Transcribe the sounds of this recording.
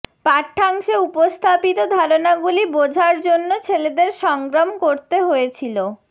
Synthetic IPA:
paʈʰːaŋʃeupost̪ʰapit̪od̪ʱaɾonaɡulibod͡ʑʱaɾd͡ʑonːot͡ɕʰeled̪eɾʃɔŋɡɾamkoɾt̪eɦojet͡ɕʰilo

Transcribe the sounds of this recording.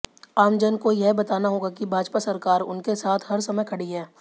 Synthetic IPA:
aːmd͡ʒənkojɛɦbɐt̪aːnaɦoːɡakibʱaːd͡ʒpasɐɾkaːɾʊ̰nkesaːt̪ʰɦɐɾsɐməjkʰɐɽiɦɛː

